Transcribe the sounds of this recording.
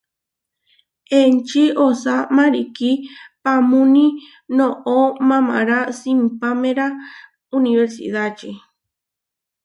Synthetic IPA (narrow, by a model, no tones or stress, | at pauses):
ent͡ʃiosamãɾikipamũnĩ | nõʔomãmã̰ɾasimpamẽɾa | uniβeɾsḭðat͡ʃe